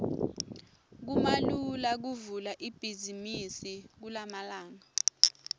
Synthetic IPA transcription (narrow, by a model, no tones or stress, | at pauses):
k̬umalulak̬uvulaʔib̥ʱizimisik̬ulamalaːŋɔ